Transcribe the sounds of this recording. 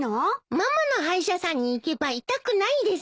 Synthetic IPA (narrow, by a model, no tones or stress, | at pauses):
nomamano̞ɦaiɕasãɲ̟ːiːke̞bait̪akɯ̟naid̪e̞s